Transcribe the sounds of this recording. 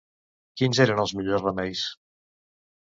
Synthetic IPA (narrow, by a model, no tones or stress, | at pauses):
kinzeɾənəlˠzmiʎosrəmɛjs